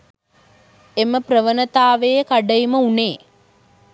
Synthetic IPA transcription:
eməprəʋənət̪aːʋejəkaɖəjiməuneː

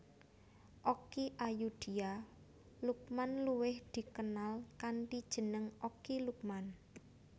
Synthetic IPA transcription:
ʔokiʔajud̪̥i̤a | luk̚manluwɪhd̪̥i̤kənalkanʈid̥ʒ̥ə̤nəŋokiluk̚man

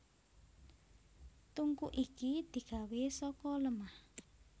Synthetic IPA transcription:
t̪uŋkuʔikid̪̥i̤kawesɔkɔləmah

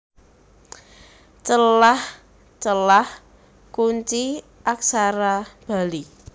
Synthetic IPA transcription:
t͡ʃəlah | t͡ʃəlah | kuɲt͡ʃi | ʔaksaɾab̥a̤li

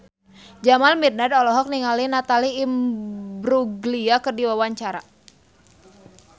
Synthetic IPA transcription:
d͡ʒamalmid̪̚nadɔlɔɦɔk̚niŋalinat̪aliːmbɾuɡliakɨrdiwawaɲt͡ʃaɾa

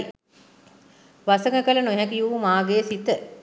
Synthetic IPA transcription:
ʋasəŋəkələnoɦækijuːmaːɡeːsit̪ə

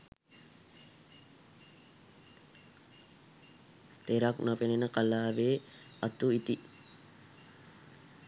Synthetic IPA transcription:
t̪eɾaknapenenəkalaːʋeːat̪uit̪i

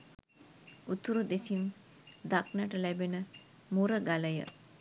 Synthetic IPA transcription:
ut̪uɾud̪esin | d̪aknəʈəlæbenə | muɾəɡaləjə̰

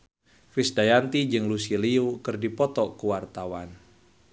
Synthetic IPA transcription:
fɪsdajant̪id͡ʒɨŋlusiliukɨrdipɔt̪ɔkuwart̪awan

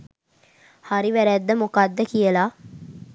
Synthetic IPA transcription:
haɾiʋæɾæːd̪ːɐmokaːd̪ːɐkijəlaː

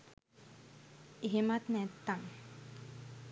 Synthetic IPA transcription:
eɦemat̪nɛt̪ːaŋ

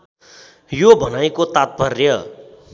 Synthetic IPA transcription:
jobʱʌnajkot̪at̪̚pʌrjʌ

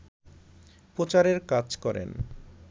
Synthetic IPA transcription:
pɾot͡ɕaɾeɾkad͡ʑkɔɾḛn

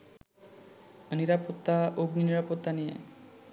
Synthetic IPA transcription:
niɾapɔt̪ːaoɡniniɾapɔt̪ːanijɛ̰

